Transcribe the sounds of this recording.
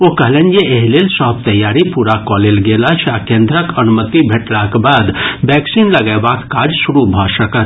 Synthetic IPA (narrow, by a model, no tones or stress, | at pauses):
okəɦlenjeeɦlelsɔɦb̚t̪əjːaːɾipuɾakɔlelɡeːlat͡ʃʰakẽːnd̪ɾəkənumət̪ibʱeʈlakbaːd̪bɛːksinləɡəbakːaːd͡ʒsuɾubʱɔsəkət̪